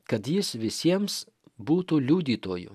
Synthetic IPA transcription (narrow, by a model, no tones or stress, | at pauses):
kɐt̪jɪsʋʲɪsʲiɛms | buːt̪uːlʲuːd̪ʲiːt̪oːjʊ̰